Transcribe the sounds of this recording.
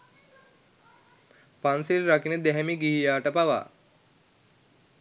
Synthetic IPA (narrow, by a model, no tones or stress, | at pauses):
pansilɾakinəd̪ɛɦɛmiɡiɦijaːʈəpaʋa̰ː